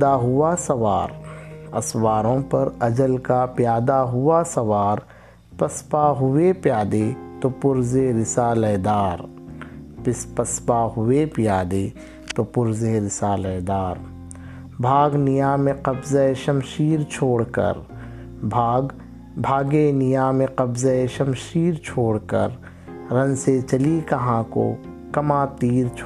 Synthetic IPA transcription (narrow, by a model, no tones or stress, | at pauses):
aɦʊasɐʋaːɾɐ̰swaːɾõpɐɾɐd͡ʒəlkapjaːd̪aɦʊasɐʋaːɾ | pəspaɦʊepjaːd̪et̪opʊɾzeɾɪsaːlɛd̪aːɾ | pɪspəspaɦʊepɪjaːd̪e | t̪opʊɾzeɾɪsaːləd̪aːɾ | bʱaːɡnɪjaːmẽqəbzəeʃəmʃiːɾt͡ʃʰoːɽkə̰ɾ | bʱaːɡ | bʱaːɡenɪjaːmẽqəbzəeʃɐmʃiːɾt͡ʃʰoːɽkə̰ɾ | ɾə̃nset͡ʃəlikɐɦãːko̰ | kɐmaːt̪iːɾt͡ʃʰ